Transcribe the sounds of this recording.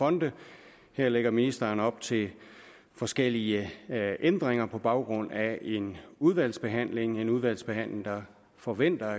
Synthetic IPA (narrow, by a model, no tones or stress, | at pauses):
fɒ̽nd̥ə | heɐ̰leɡ̥ɐminisd̥ɐːnɒ̽b̥t͡sʰe̝l | fɒ̽sɡ̥el̰iəʔend̥ʁeŋɐpʰɒ̽b̥ɑ̈ʊɡ̥ʁɔ̽n̰æʔe̝nuð̞ˠʋæl̰sb̥e̝ɦæn̰le̝ŋe̝nuð̞ˠʋæl̰sb̥e̝ɦæn̰le̝ŋd̥ɑ̈ | fɒ̽ʋen̰d̥ɐ